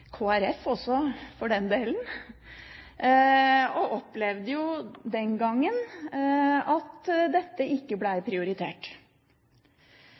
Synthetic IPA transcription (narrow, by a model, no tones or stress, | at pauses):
kʰoːæɾɛfɔsːɔfɔɖɛnd̪eːln | ɔʔɔpːlɛʋd̪əjʊd̪ɛnɡɑŋːən | ɑt̪d̪ɛt̪ːəʔɪkːəblæɪɾpʰɾɪʊɾɪt̪ʰḛːʈ